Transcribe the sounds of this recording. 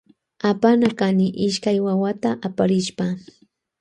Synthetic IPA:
apanakanɪʔɪʃkajwawat̪aʔapaɾɪʃpa

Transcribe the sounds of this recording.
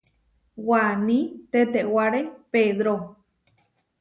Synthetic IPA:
wanĩt̪et̪ewaɾepeðɾo

